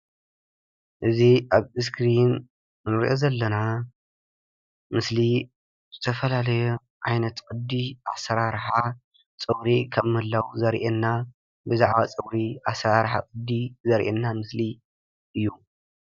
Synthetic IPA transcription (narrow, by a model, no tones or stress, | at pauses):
ʔɨziʔaβɨs̬kʰɾinː | ɨɾʔozɐlːɐna | mɨsli | z̥ɨt̪ʰɐfɐlalɐju | ʕajnɐt̪kʼɨd̪ːiʔa̰sɐɾaɾħa | t͡sʼɨβɾikʰɐβmɨhɨlːawzɐɾʔɛnːa | bɨzaʕβat͡sʼɨβɾiʔasɐɾaɾħa̰kʼɨd̪ːizɐɾʔɛ̰nːamɨsli | ʔɨjːu